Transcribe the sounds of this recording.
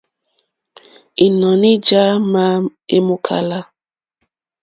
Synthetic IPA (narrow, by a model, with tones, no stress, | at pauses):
i˨nɔ˨nɪ˦d͡ʒa˦ma˦e˦mʊ˦kʰa̰˦la˦